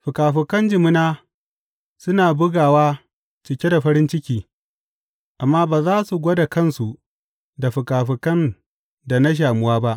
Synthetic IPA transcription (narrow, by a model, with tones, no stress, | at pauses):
ɸʊ˨kaː˨ɸɪ˨kɐ˦nd͡ʒɪ˨mʊ˦naː˦ | sʊ˦naː˨bʊ˦ɡaː˨waː˦ | t͡ʃɪ˨kʲe˦da˨ɸɐ˦ɾɪ˦nt͡ʃɪ˦kʲiː˦ | ʔa˨mːaː˦baː˨zaː˦su˨ɡʷɔ˦da˨kɐ˦˨nsu˨ʔ | da˨ɸʊ˨kaː˨ɸɪ˨kɐ˦n | da˨na˦ʃ̬aː˨mʊ˦waː˦ba˦ʔ